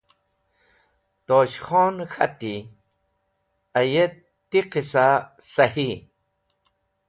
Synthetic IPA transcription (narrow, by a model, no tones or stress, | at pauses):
t̪oɕχonxʰɐ̰t̪i | aje | t̪ːiqisasɐhi